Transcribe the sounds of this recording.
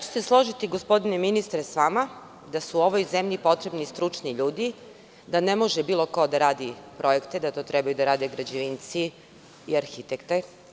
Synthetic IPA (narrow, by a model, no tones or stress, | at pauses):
t͡ɕe̥seslˠo̞ʒit̪iɡospo̞d̪ineminist̪ɾesʋama | d̪asuːo̞ʋojzemʎipo̞t̪ɾe̞bnist̪ɾut͡ʂniʎuːd̪i | d̪anemo̞ʒebiːlˠo̞ko̞d̪aɾaːd̪ipɾo̞je̞kt̪ed̪at̪o̞ːt̪ɾɛbajud̪aɾaːd̪eɡɾad͡ʑeʋint̪siː | aɾxit̪ekt̪e